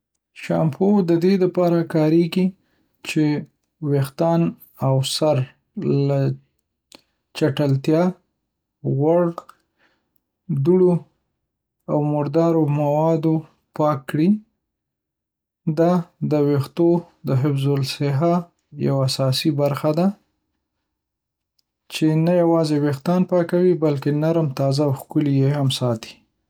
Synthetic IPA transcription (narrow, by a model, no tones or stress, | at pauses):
ʃɑ̰mpʰod̪əd̪ed̪əpɑɾakɑɾeɡi | t͡ʃe | wext̪ɑn | awsaɾ | la | t͡ʃaʈəlt̪jɑ | ɣaɽ | d̪uɽo | awmʊɾd̪ɑɾomawɑd̪o | pɑkːɽi | d̪ɑd̪əwext̪o | d̪əɦɪfzolsɪɦa | ja̰waasɑsibaɾxad̪a | t͡ʃenajawɑzewext̪ɑnpɑkawibalkenaɾmt̪ɑzawxkʊlijehamsɑt̪i̥